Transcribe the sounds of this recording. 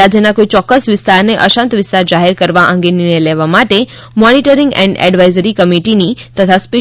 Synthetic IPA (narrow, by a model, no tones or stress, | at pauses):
ad͡ʒjənakoit͡ʃɔkːəsʋɪst̪aɾneʔəʃãnt̪ʋɪst̪aɾd͡ʒaɦeɾkəɾʋaʔə̃ŋɡeninelɛʋamaʈe | mɔniʈəɾĩŋɡɛ̰̃ɳɖɛ̰ɖʋajzəɾikəmiʈinit̪ət̪ʰaspe